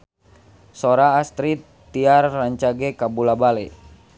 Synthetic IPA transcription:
soɾaːst̪ɾit̪ː | iarːaɲt͡ʃaɡɛkabulabalɛ

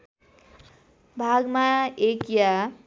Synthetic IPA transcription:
bʱaɡmaekja

